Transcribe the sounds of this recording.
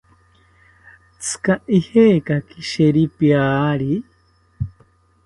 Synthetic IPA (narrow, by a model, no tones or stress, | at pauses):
t͡sʰɨ̥kaʔiheːkakiʃeɾipjaːɾi